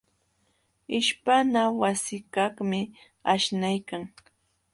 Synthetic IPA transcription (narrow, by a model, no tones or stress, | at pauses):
ɪʃpanawasɪkɑχmɪ | aʃnajkaŋ